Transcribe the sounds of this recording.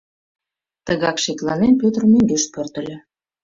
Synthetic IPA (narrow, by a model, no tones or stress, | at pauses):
t̪əɣɑkʃeklɑnenpʲøt̪rmøŋɡeʃpørt̪ə̆lʲĕ